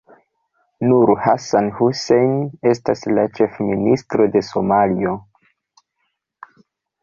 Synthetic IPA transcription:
nuɾhasanhusejne̞staslat͡ʃe̞fministɾo̞de̞so̞malio̞

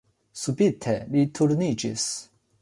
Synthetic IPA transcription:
subit̪ʰelit̪ʰuɾnid͡ʒḭs

